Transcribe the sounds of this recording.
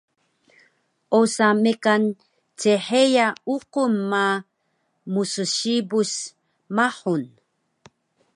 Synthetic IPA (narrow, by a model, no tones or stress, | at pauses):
ʔosamekan | t͡seħejauqumːa | musuɕibus | maħun